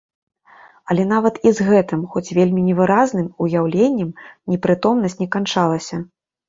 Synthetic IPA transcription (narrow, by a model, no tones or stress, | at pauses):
ɐlʲɛn̪avɐt̪izɣɛt̪ɨmxɔt͡sʲvʲelʲmʲinʲɛvɨɾaznɨmujawlʲenʲːɛmnʲɛpɾɨt̪ɔmnɐsʲtʲt͡sʲnʲɛkant͡ʂalˠɐsʲɐ